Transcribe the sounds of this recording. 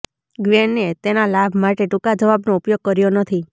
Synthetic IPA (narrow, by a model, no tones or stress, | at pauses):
ɡʋeɳːet̪enalabʱmaʈeʈukad͡ʒəʋabnoupjoɡ̚kəɾjonət̪ʰi